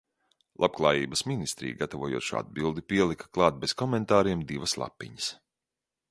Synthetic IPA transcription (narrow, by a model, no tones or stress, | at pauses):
lˠap̚klˠɑːjiːbəsminist̪ɾḭːɡat̪avuɔːjṵɔːʃa̰d̪̚bilˠd̪ipiɛlˠikḁklˠɑːt̪̚beskɔmɛnt̪aːɾiɛmd̪ivɐslˠa̰pʲːḭɲəs